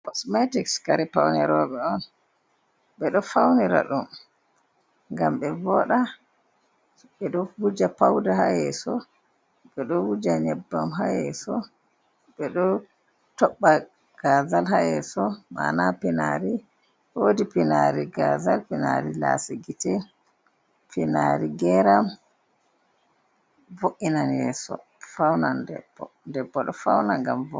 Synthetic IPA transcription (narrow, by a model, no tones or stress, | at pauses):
kɔsmɛtikskaɾɛpawnɛɾɔɓɛɔn | ɓɛɗɔfawniɾa̰ɗum | ŋɡamɓɛvɔɗa | ɓɛɗɔwud͡ʒapawdahajɛsɔ | ɓɛɗɔwud͡ʒaɲɛbːamɦajɛsɔ | ɓɛɗɔ | tɔɓːa | ɡ̥azalɦajɛsɔma̰napɛnaɾi | wodipinaɾiɡazalpinaɾila̰siɡitɛ | pinaɾiɡɛɾam | voʔinanjɛ̰sɔ̰ | fawnandɛ̰bːɔ̰ndɛbːɔɗɔfawnaŋɡamvɔ